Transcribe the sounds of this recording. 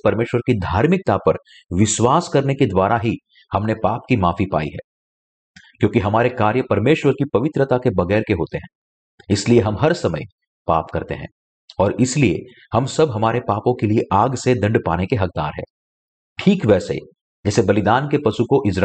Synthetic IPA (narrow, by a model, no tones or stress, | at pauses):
pɐɾmeːʃwəɾkid̪ʱaːɾmɪk̚t̪apɐɾ | ʋɪʃwaːskɐɾneked̪waːɾaɦi | hɐmnepaːp̚kimaːfipa̰ːḭɦɛ̰ː | kjõːkiɦɐmaːɾekaːɾjəpɐɾmeːʃwəɾkipɐʋɪt̪ɾət̪akebɐɣɛːɾkeɦoːt̪eɦɛ̃ː | ɪslieɦɐmɦɐɾsɐmə̰j | pa̰ːp̚kɐɾt̪ḛɦɛ̰̃ː | ɔːɾɪsliḛ | hɐmsɐbɦɐmaːɾepaːpõkelieʔaːɡsed̪ɐ̃ɳɖpaːnekeɦɐk̚d̪a̰ːɾɦɛ̰ː | ʈʰiːkʋɛːsḛ | d͡ʒɛːsebɐlɪd̪aːnkepɐʃukoʔɪd͡ʒɾ